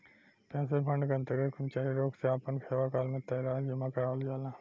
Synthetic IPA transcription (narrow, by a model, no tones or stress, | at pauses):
pɛ̃ːnsepʰɐ̃ɳɖkɐ̃nt̪eɡekʰʊmt͡ʃaːɦiɾoːkseaːpənkʰeːʋakaːlmẽt̪ɐjɾaːd͡ʒɐmãkɐɾaːld͡ʒaːlãː